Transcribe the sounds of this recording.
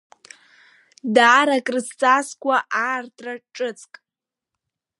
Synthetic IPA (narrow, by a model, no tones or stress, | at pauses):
daːɾakʼrɨst͡sʼaskʷʰʼaʔaːrtʰʼraʈ͡ʂʼɨt͡sʰʼkʼ